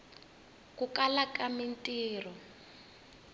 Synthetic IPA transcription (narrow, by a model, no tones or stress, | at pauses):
kukalakamintʼiːrɔ